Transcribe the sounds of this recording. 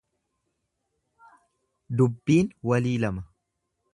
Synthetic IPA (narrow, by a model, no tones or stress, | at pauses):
d̪ʊbːiːnwɐliːlɐmɐ